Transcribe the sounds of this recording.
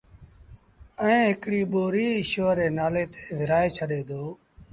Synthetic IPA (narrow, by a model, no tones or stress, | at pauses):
ɛ̃ːɦɪkɽiːɓoːɾiːʃoʋəɾeːnaːleːt̪e̥ːʋɪɾaːeːt͡ʃʰəɗeːd̪oː